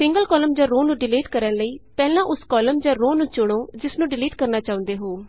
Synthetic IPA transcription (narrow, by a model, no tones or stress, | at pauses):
sɪ̃ŋɡəlkɔːləmd͡ʒãːɾoːnũːɖɪliːʈkəɾənləiːpɛːlãːʔʊskɔːləmd͡ʒãːɾoːnũːt͡ʃʊɽ̃oːd͡ʒɪsnũːɖɪliːʈkəɾnaːt͡ʃaːʊ̃nd̪eːɦoː